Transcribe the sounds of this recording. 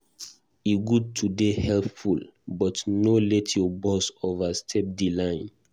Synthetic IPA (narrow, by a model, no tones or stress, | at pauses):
iɡud̚tʰudehɛlpfulbɔtnolɛtʰjɔbɔsovastʰɛp̚dilãɪ̃n